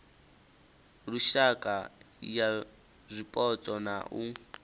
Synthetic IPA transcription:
ruʃakʼa | ja | zʷipʼɔt͡sʼɔnaʔu

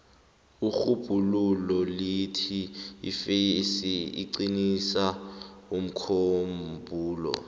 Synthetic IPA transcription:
uxub̥ʱululɔlitʰḭːfesiḭǀinisaum̩kʰombʱuːlɔ̰

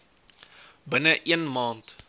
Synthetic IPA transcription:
bənəʔiənmɑːnt

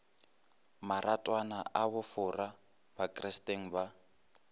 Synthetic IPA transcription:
maratʼwanaʔaβʊfʊra | bakʼrɛstʼeŋ̩ba

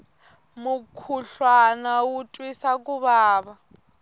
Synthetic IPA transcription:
mukʰuɬwanawutʼwisak̬ʼuβaːβa

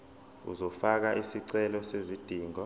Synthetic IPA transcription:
ṵzɔfak̬aʔisiǀɛlɔsezid̥ʱiːŋɔ

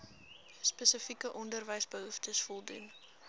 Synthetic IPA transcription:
spəsəfikəʔɔndərvəjsbəɦuftəsfɔlˠdun

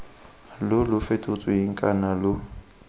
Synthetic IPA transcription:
lʊlʊfetʼʊt͡sʼɔiŋ̩kʼanalʊ

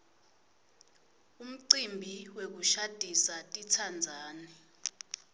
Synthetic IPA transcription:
um̩ǀimbʱiwek̬uʃad̥ʱisatʼitʰand͡zʱaːni

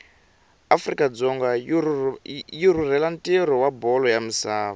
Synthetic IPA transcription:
afrikʼad͡zɔŋɡa | jiɾurɛlantʼeɾɔwabɔlɔjamusaːβa

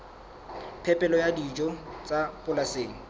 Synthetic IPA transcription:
pʰɛpʼɛlɔjadid͡ʒɔt͡sʼapʼʊlaseːŋ̩

